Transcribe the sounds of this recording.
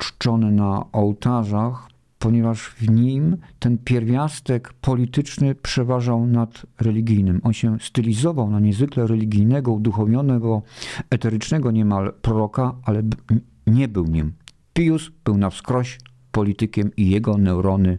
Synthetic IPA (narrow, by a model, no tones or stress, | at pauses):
t͡ʂt͡ʂɔnɛnaʔɔwt̪aʐax | pɔɲɛvaʐvɲimt̪ɛnpʲjɛɾvʲjast̪ɛkpʰɔlʲit̪ɘt͡ʂnɘpʂɛvaʐawnat̪ɾɛlʲiɡʲijnɘmɔnɕɛst̪ɘlʲizɔvawnaɲɛzvɘklɛɾɛlʲiɡʲijnɛɡɔud̪uxɔvʲjɔnɛɡɔɛt̪ɛɾɘt͡ʂnɛɡɔɲɛmalpɾɔɾɔkaalɛ | ɲɛbɘwɲim | pʲijusb̥ɘwnafskɾɔɕ | pɔlʲit̪ɘkʲɛmijɛɡɔnɛwɾɔnɘ